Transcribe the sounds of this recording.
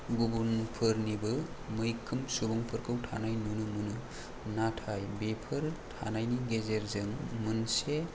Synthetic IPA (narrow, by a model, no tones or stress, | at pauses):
ɡubunpʰɯɾnibɯ | mɯjkʰːɯmsubuŋpʰɯɾkʰɯwtʰa̰najnunɯmunɯ | natʰajbepʰɯɾtʰa̰najniɡezeɾzɯŋmɯnse